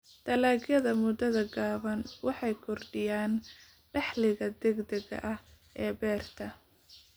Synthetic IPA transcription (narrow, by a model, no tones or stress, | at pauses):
d̪̥ɐlaːɡjɐðɐmʊd̪ɐðɐɡaːβɐnwɑħɑjkʰɔrɖɪjaːn | ɖɑħlɪɣɐd̪ɛɡd̪ɛɣɐ̰ʔɐh | ʔɛːbɛːrt̪ʰɐ